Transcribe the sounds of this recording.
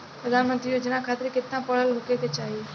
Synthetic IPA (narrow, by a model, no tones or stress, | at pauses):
pɾəd̪ʱanmənt̪ɾijoːd͡ʒnakʰaːt̪ɾikɪt̪nãpəɭ̤əlɦokek̪et͡ʃaɦie